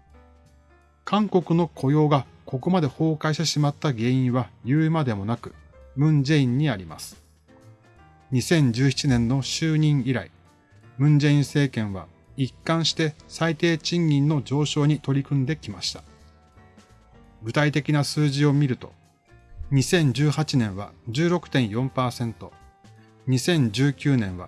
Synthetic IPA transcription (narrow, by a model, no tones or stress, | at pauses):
kʰãŋko̞kɯ̟no̞kʰo̞jo̞ːɡa | ko̞ko̞mad̪e̞ho̞ːkaiɕt̪eɕimat̪ːaɡe̞ːĩɰ̃βajɯ̟ːmad̪e̞mo̞nakɯ̟mɯ̟̃ɲd͡ʑeĩɲ̟ːiaɾʲima̰sɨ̥ | ɲ̟isẽ̞ɲ̟d͡ʑɨːçi̥t͡ɕinẽ̞nːo̞ɕɨːɲ̟ĩɰiɾai | mɯ̟̃ɲd͡ʑe̞ĩɰ̃se̞ːkẽ̞ɰ̃βa̰ | ikːãɰ̃ɕi̥t̪e̞sait̪e̞ːt͡ɕĩɲːʲĩnːo̞d͡ʑo̞ːɕo̞ːɲ̟it̪o̞ɾʲikɯ̟̃nd̪e̞kʲimaɕi̥t̪ḁ | ɡɯ̟t̪ait̪e̞kʲinasɨːʑio̞mʲiɾɯ̟t̪o̞̥̰ | ɲ̟isẽ̞ɲ̟d͡ʑɨːhat͡ɕinẽ̞ɰ̃βa̰d͡ʑɨːɾo̞kɯ̟̥t̪ẽɰ̃jõ̞mpaːsẽ̞nt̪o̞ | ɲ̟isẽ̞ɲ̟d͡ʑɨːkʲɨːnẽ̞ɰ̃βa̰